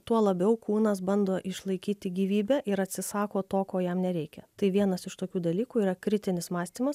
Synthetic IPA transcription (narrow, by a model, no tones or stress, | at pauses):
t̪uɔlˠɐbʲɛʊkuːnɐs̬bɐnd̪oːʔɪʃlˠɐɪkʲiːt̪ʲɪɡʲiːʋʲiːbʲɛːʔɪɾɐt̪ʲsʲɪsɑːkoːt̪oːkoːjɛmnʲɛɾʲɛɪkʲɛt̪ɐɪʋʲiɛnɐsɪʃt̪oːkʲuːd̪ɐlʲiːkuːiːɾɐkɾʲɪt̪ʲɪnʲɪsmɑːsʲt̪ʲiːmɐs